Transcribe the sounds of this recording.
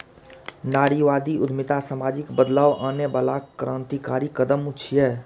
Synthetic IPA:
naːɽiʋaːd̪iʊd̪ʱmɪt̪asaːmaːd͡ʒɪkbəd̪laːʋaːnebaːlakɾʔaːnt̪ikaːɾikəd̪əmʊt͡ʃʰjɛː

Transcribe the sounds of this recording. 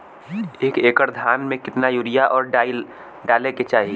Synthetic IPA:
eːkeːkəɾd̪ʱaːnmẽkɪt̪najuɾijaʔɔːɾɖɪ | ɖaːleket͡ʃaːɦi

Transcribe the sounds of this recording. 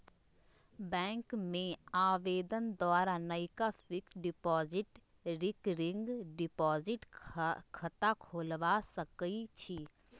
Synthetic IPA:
bɛ̃ːŋkmẽaːʋeːd̪ənd̪waːɾanəɪkafɪkɖɪpɔːzɪʈ | ɾɪkɾɪ̃ŋɡɖɪpɔːzɪʈkʰɐt̪akʰoːlʋasəkit͡ʃʰi

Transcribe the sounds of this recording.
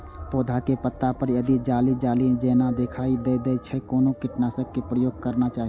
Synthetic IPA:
poːd̪ʱakepət̪ːapəɾjəd̪id͡ʒaːlid͡ʒaːlid͡ʒeːnad̪ekʰaid̪ed̪ɛt͡ʃʰɛkoːnõkɪʈnasək̚kepɾəjoːɡ̚kəɾnat͡ʃaːɦi

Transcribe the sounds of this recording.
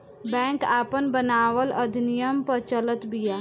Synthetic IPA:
bɛ̃ːŋkaːpənbənaːʋəlɐd̪ʱɪnijəmpɐɾt͡ʃələt̪bijaː

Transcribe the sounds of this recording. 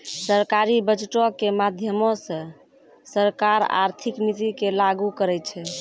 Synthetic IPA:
səɾkaɾibəd͡ʒʈokemad̪ʱjəmõsə̃ | səɾkaɾa̰ɾt̪ʰiknit̪ikelaɡukəɾɛt͡ʃʰɛ

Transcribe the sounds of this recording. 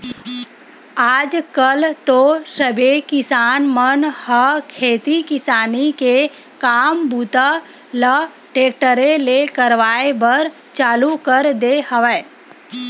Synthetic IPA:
aːd͡ʒkəlt̪osəbekɪsaːnmənhəkʰeːt̪ikɪsaːnike | kaːmbut̪ə | lə | ʈeːk̚ʈəɾelekəɾʋaːebəɾ | t͡ʃaːlukəɾd̪ehəʋə

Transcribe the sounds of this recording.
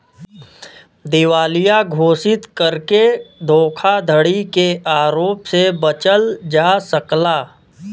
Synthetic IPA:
d̪ɪʋaːlɪjaɡʱoːsɪt̪kəɾked̪ʱoːkʰad̪ʱəɽikeʔaːɾoːpsebət͡ʃəld͡ʒaːsəklaː

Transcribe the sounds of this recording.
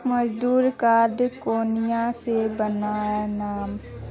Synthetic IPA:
mɐd͡ʒd̪uːɾkaːd̪koːnijãsebənaːjanaːm

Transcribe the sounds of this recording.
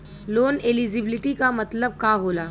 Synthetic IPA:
loːnelid͡ʒɪbɪlɪʈikamɐt̪ləb̚kaːɦoːlaː

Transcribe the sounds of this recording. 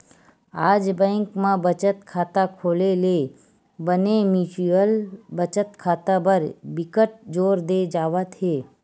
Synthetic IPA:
aːd͡ʒbɛ̃ːŋkmãbət͡ʃət̪kʰaːt̪akʰoːleleː | bənemiːsiəlbət͡ʃət̪kʰaːt̪abəɾbɪkəʈ̚d͡ʒoːɾd̪ed͡ʒaːʋət̪ɦeː

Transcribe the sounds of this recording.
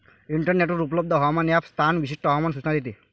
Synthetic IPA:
iɳʈɔɾneʈuɾuplɔb̚d̪ʱɔɦɔmaniapst̪ʰanbisiʂʈɔɦɔmansut͡ɕnad̪it̪i

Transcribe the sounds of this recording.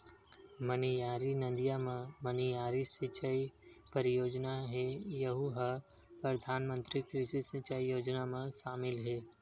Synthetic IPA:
mənijaːɾinə̃nd̪ijamẽmənijaːɾisɪt͡ʃəipəɾɪjoːd͡ʒnaɦɛjəɦuɦɐ | pɾɐd̪ʱaːnmə̃nt̪ɾikɾisisɪt͡ʃaijoːd͡ʒnamẽʃaːmɪlɦɛː

